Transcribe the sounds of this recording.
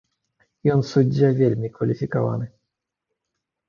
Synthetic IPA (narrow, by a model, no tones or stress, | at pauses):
iɔnsud͡ʑavʲjɛlʲmʲikfalʲifʲikɔva̰nɨ